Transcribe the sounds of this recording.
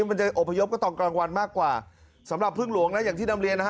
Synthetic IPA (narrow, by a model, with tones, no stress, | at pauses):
ma˧nt͡ɕa˨ʔo˨˩pʰːa˧jo˦˥p̚kɔː˥˩t̪ɔː˧˩ŋklaː˧ŋwa˧nmaː˥˩kːwaː˨˩ | sa˩˦mɾa˨˩pʰːɯ˥˩ŋlu˨˦əŋna˦˥jaː˨˩ŋt̪iː˥˩a˧mlɾi˧ənːa˦˥˦